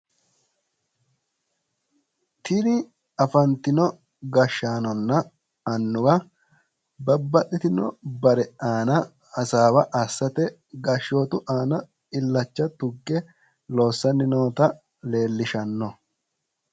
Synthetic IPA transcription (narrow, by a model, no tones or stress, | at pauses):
t̪ʰɪnɪ | ɐfɐnt̪ɪnɔ | ɡɐʃːaːnɔnːɐ | ɐnːʊɡɐ | bɐbːɐʔɪt̪ɪnɔ̰bɐɾɛaːnɐ | ɐsaːwɐʔɐsːɐt̪ɛ | ɡɐʃo̞ːt̪ʊʔaːnɐ | ɪlːɐt͡ʃːɐt̪ʊɡːɛ | lo̞ːsːɐnɪnoːt̪ɐ | le̞ːlːɪʃɐnːɔ